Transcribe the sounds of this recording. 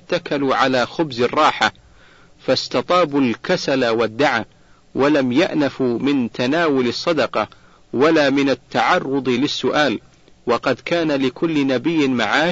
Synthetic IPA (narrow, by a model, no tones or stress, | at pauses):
t̪ːakaluʕalaːxʊbzɪrˤːɑːħa | fast̪ɑt̪ˤɑːbulkasalawad̪ːaʕaː | wʔalamjaʔnafumɪnt̪ʰanaːwʊlɨsˤːɑd̪ɑqɑ | walaːmɪnat̪ːaʕɑrˤːʊd̪ˤɨlɪsːʊʔaːl | wɑqɑd̪kaːnalɪkʰʊlːɪnabɪjːɪmaʕaː